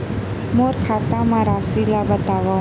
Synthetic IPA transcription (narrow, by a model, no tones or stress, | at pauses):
moɾkʰaːt̪ãmãɾaːsilabət̪aːʋa